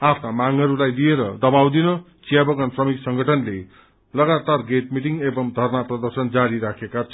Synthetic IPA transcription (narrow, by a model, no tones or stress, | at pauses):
apʰt̪amaŋʌɾulajlieɾʌd̪ʌbawd̪inʌ | t͡sijabʌɡʌnsrʌmiksʌŋɡʱʌʈʰʌnle | lʌɡat̪arɡeʈmiʈiŋebʌmd̪ʱʌrnaprʌd̪ʌrsʌnd͡zaɾiɾakʰekat͡sʰ